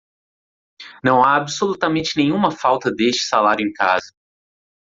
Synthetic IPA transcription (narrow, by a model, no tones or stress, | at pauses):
nɐ̃w̃aːbɪsolut̪ɐmẽnt͡ʃɪnẽɲ̃ũmɐfawt̪ɐd̪est͡ʃɪ̥salaɾjʊẽj̃kazɐ